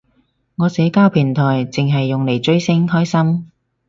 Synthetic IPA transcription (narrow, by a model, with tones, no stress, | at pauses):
ŋɔː˨˧sɛː˨˥kaː˥wpʰiː˨˩nt̪ʰɔː˨˩jt͡sɪ˨ŋɦɐ˨jːʊ˨ŋle˨˩jt͡ʃɵ˥ɥsɪ˥ŋhɔː˥jsɐ˥m